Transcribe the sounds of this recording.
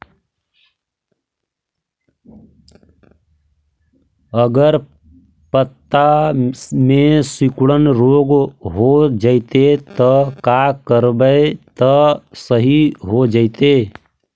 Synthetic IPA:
əɡəɾ | pət̪ːa | mẽsikɽənɾoɡɦod͡ʒəɪt̪et̪əkakəɾbət̪əsəɦiɦod͡ʒəɪt̪e

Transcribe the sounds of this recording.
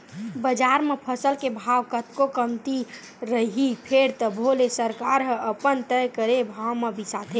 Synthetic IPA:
bəd͡ʒaɾmepʰəsəlkebʱaʋkət̪kokəmt̪i | ɾəɦipʰeɾt̪ɔbʱolesəɾkaɾɦəəpənt̪əjkəɾebʱawmebisat̪ʰe

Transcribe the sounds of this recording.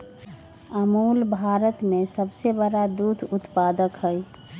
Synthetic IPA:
əmuːlbʱaːɾət̪mẽsəbsebəɽad̪uːd̪ʰʱʊt̪paːd̪əkɦəi

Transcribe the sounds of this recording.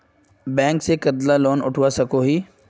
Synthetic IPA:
bɛ̃ːŋksekɐd̪lalɔːnʊ̰ʈʰʋasɐkoɦiː

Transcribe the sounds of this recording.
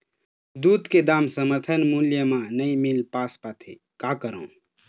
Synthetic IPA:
d̪ud̪ked̪amsəməɾt̪ʰənmuljəmãnəimilpaspat̪ʰḛ | kakəɾõ̰

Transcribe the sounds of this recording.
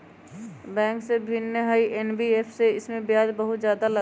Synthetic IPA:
bɛ̃ːŋksebʱɪnːəɦəiʔeːnbieːpʰseɪsmẽbjaːd͡ʒbəɦʊt̪zjaːd̪alɐ

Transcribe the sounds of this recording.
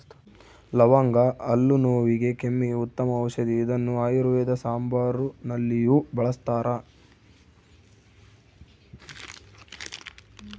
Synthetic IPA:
lɐʋaːŋɡɐʔɐlːunoːʋiɡe̞kemːiut̪ːɐmɐːʋɐʃɐd̪iːd̪ɐnːuaːjuɾuʋɛːd̪ɐsaːmbaːɾunɐlːijuːbɐɭɐst̪aːɾɐ

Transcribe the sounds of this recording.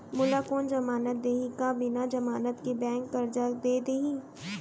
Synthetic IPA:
mʊlakoːnd͡ʒɐmaːnət̪̚d̪eːɦĩkabɪnad͡ʒɐmaːnət̪kibɛ̃ːŋkːɐɾd͡ʒad̪eːd̪eːɦĩ

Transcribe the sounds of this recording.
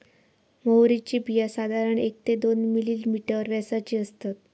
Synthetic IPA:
məwɾit͡ɕiːbijasad̪ʱaɾəɳek̚t̪ed̪onmiliːlmiʈəɾʋɛsat͡ɕiːəst̪at̪̚

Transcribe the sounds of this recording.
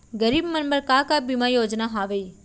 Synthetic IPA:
ɡəɾiːbmənbəɾkaːkaːbimajoːd͡ʒnaɦaːʋei

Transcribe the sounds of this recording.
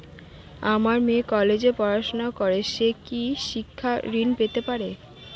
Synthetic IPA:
amaɾmekɔled͡ʑepɔɾaʃonaokoɾeʃekiʃikʰːaɾinpet̪epaɾe

